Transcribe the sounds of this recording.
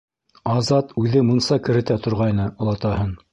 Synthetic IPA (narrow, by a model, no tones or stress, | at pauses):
ɑzɑt̪ʉðɘmŭnsɑkɘ̆ɾɘ̆t̪æt̪ŏɾʁɑjnɤŏlˠɑt̪ɑhɤn